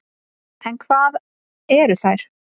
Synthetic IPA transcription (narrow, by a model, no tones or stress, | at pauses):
ʔɛ̃nkʰvaːð | ɛːɾʏθajɾ̥